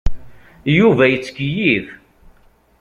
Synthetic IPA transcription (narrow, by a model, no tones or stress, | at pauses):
juvæjət͡sːə̥kjið